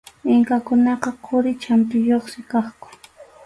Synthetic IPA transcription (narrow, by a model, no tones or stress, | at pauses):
ɪŋkakʊnɑqɑqʰʊɾɪt͡ʃamt̪ʊjoχsɪkɑχkʊ̥